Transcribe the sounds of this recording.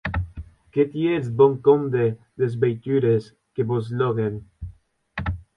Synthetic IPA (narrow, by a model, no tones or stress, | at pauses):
ket̪jesboŋkond̪e | d̪ezbejt̪yɾes | keβozloɣen